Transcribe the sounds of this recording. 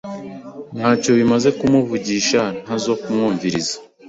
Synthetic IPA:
n̥haːco̞βimaze̞kumuvuɟiːʃan̥azo̞kumŋuːɱviɾizḁ

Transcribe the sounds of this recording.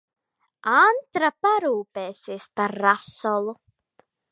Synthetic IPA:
ant̪ɾapaɾuːpeːsiːspaɾːasɔlˠu

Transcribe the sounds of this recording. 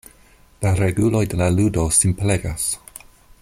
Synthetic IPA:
laɾɛɡulɔjdɛlaludosimpʰlɛɡas

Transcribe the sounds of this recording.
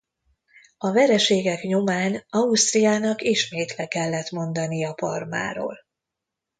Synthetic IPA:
ɒvɛɾɛʃeːɡɛkɲomaːnɒust̪rijaːnɒkiʃmeːt̪lɛkɛlːɛt̪mo̞nd̪ɒnijɒpɒrma̰ːɾo̰ːl

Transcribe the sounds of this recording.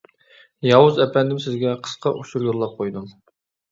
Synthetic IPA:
jɑwuzɛpʰɛnd̪ɪmsɪzɡʲɛqʰə̥sqʰɑʔuʃuɾjoɾlˠɑp̚qʰojd̪um

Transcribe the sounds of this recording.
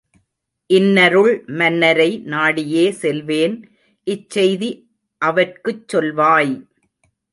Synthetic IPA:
ʔɪnːɐɾɯɭmɐnːɐɾɐɪnaːɽɪjeːsɛlʋeːn | ʔɪt͡ʃsɛjði | ʔɐʋɐrkɯt͡ʃsɔlʋaːj

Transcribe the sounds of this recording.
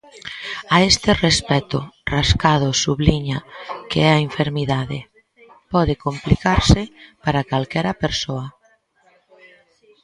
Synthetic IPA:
aest̪ɪrespɛt̪ʊraskað̞ʊsuβliɲakeɛaeɱfeɾmiðaðḛ | pɔðekomplikaɾsɪpaɾakalkɛɾapeɾsoa

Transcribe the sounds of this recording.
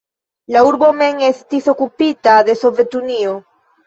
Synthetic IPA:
lauɾbo̞me̞ŋe̞st̪iso̞kupit̪aðe̞so̞ve̞t̪unio

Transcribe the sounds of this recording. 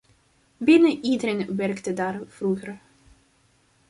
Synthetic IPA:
bɪnəʔiːdəɾənʋɛrktədaːrv̥ruɣər

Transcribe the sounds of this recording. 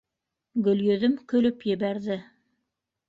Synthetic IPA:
ɡɵ̆ljɵ̆ðɵmkɵ̆lɵpjɘ̆βæɾðɘ

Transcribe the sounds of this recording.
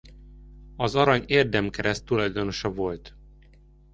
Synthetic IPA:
ɒzɒɾɒɲeːrd̪ɛmkɛɾɛst̪ːulɒjd̪o̞no̞ʃɒvo̞lt̪

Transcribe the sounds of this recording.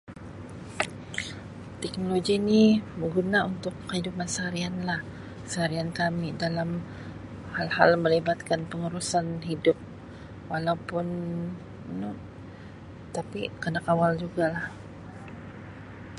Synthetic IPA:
t̪ɛk̚noloɡinibəɡunaunt̪ʊkːəhidupansəaɾianlah | səhaɾiankamidalam | halhalməlibat̪̚kanpəŋuɾusanɦidʊp̚ | walawpʊn | nu | t̪apikənakawald͡ʒuɡalah

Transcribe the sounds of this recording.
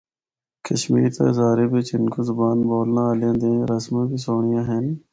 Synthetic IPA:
kəʃmḭːɾt̪a̰ːzaːɾeːbet͡ʃɪnkozʊbaːnboːlnãːljãːd̪ẽːɾɐsmãːkisoːɳ̃ijãːɦen

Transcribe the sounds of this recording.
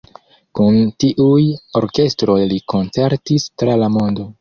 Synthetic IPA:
kuntiʔujo̞ɾke̞stɾo̞jliko̞nt͡se̞ɾtistɾalamo̞ndo̞

